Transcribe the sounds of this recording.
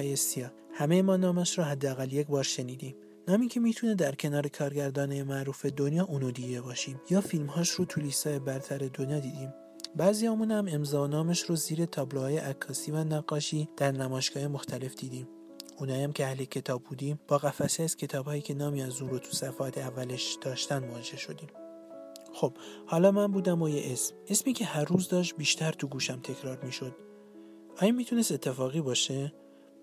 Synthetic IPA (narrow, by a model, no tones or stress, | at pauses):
jesiɒː | hæme̞jemɒːnɒːmæʃrɔːɦæd̪ːeæɣælje̞cbɒːɾʃe̞niːd̪im | nɒːmiːcʰe̞miːt̪ʰuned̪æɾcʰe̞nɒːɾe̞kʰɒːɾɟæɾd̪ɒːnejemæʔɾuːfe̞d̪onjɒːʔunod̪iɡebɒːʃiːmjɒːfilmhɒːʃɾot̪ʰuliːsɒːjebæɾt̪ʰæɾe̞d̪onjɒːd̪iːd̪iːm | bæziɒːmunhæme̞mzɒːonɒːmæʃɾoziːɾe̞t̪ʰɒːblohɒːje̞ʔækʰːɒːsiːvænæɡːɒːʃiːd̪̥æɾnæmɒːʃɡ̥ɒːje̞moxt̪ʰæle̞fd̪̥iːd̪iːm | ʔunhɒːjæmcʰʲeæhlecʰe̞t̪ʰɒːbːuːd̪iːmb̥ɒːɣæfæseæz̥cʲʰe̞t̪ʰɒːbhɒːjiːcʰe̞nɒːmiːæzunɾot̪ʰu̥sæfɒæt̪ʰeævːæleʃd̪̥ɒːʃt̪ænmoɒd͡ʒeeʃo̞d̪iːm | xo̞b̥hɒːlɒːmænbuːd̪æmojeʔesmesmiːcʰe̞hæɾːuːzd̪ɒːʃ̬t̪̚biːʃt̪ʰæɾt̪ʰuɡuːʃæmt̪ʰe̞cʰɾɒːɾmiːʃo̞d̪ | ʔɒːjɒmiːt̪ʰune̞st̪e̞t̪ʰːe̞fɒːɣiːbɒːʃe